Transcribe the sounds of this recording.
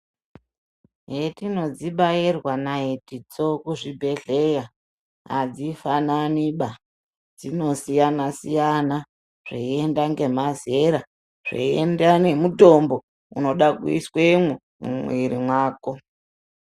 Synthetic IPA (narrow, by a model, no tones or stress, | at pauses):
ɦetino̞d͡ziɓajirwanaɦitit͡so̞kuʐibʱe̞ɮe̞ja | ɦa̰d͡zifananiɓa | d͡zino̞sijanasijana | ʐ̥ḛiendaŋɡe̞maze̞ɾa | ʐ̥ḛiendane̞muto̞mbo̞ | ṵno̞ɗakuḭswemwu | mṵmwiɾimwaːko̞